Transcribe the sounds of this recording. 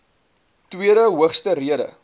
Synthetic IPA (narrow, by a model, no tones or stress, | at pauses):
twiəɾəɦuəχstəriədə̰